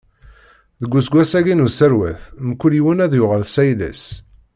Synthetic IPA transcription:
ðəɡʷːusɡʷæsæɡinusəɾwæ̰θmkːuliwənæðjʊʁəlθsæjlæ̰s

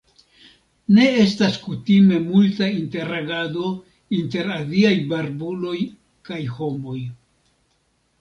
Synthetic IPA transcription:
ne̞e̞staskutime̞multainte̞ɾaɡado̞ | inte̞ɾaliajbaɾbulo̞j | kajho̞mo̞j

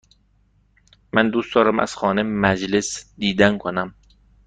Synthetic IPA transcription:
mænd̪uːstd̪ɒːɾæmæ̰z̥xɒːnemæd͡ʒlesd̪iːd̪ænkʰonæm

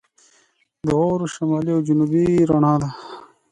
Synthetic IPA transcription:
d̪əoːɾoʃɐmaːliɐwd͡ʑunuːbiɾɐɳãːd̪a

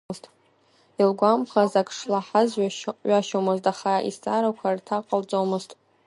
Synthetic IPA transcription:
ztʼ | ilɡʷamχazakʰʼʂlaħazɥɥaʃomɨztʼaχaḭsaɾakʷʰartʰaqʼəlt͡sʼomɨztʼ

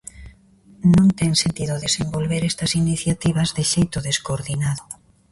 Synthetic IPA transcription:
nõnt̪eŋsent̪iðoðesembolβeɾest̪ɐsiniθjat̪iβ̞azðeʃejt̪oðeskoɾðinaðo

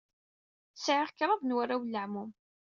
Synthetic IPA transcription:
səʕəʁkɾˤɑðnwaɾawlːəʕmum

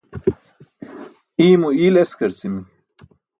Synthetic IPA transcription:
iːmuiːleskɐɾt͡simi

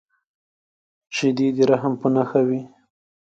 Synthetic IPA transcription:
ʃɪd̪id̪ɾaɦampənaxawi

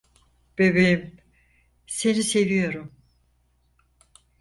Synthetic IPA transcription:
b̥ebejim | se̞nise̞vijo̞ɾum

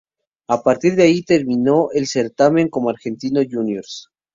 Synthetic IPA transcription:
apaɾt̪iɾðeait̪e̞ɾmĩnoʔelse̞ɾt̪amẽ̞ŋko̞moaɾxe̞nt̪ino̞ʝunjoɾs

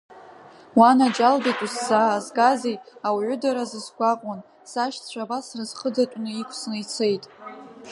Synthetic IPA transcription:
wanad͡ʒalbekʼusːaːzɡazejawʕʷʊdaɾazɨsɡʷaqʷʼan | saʃt͡ɕʷʰabasrɨzχədatʷʼnɨikʷʰsɨnit͡sʰe̞jtʼ

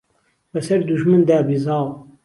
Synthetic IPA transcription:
bɐsɐɾd̪uʃmɨnd̪æːbizɑːw

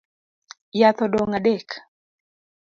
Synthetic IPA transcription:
jat̪ɔdoŋadek

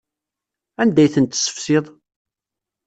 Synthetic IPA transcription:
ænd̪æjθənt̪ːsːə̥fsɪðˤ

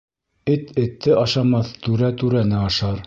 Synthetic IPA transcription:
ɘt̪ɘ̆t̪ʰːɘʔɑʃɑmɑθt̪ʉɾæt̪ʉɾænɘɑʃɑɾ

